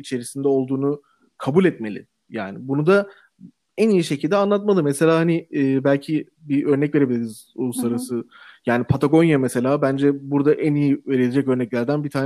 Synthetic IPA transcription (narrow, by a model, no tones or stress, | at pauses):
it͡ʃʰe̞ɾisind̪ɛo̞lˠd̪uːnu | kʰabulʲɛt̪me̞lʲɪ̰ | ja̰ːnibunud̪a | ænijiʃe̞cʰilʲd̪ɛanlˠat̪̚malˠɯmɛse̞lʲaːhanɪːbælʲcʰi | biʔø̞ɾnɛcve̞ɾebilʲiɾiz̥ulˠusaɾasɯjaːnipʰat̪ʰaɡo̞njamɛse̞lʲaːbænd͡ʒɛbuɾd̪aʔænijiveɾelʲed͡ʒɛcø̞ɾnɛclʲæɾd̪ænbit̪ʰaːn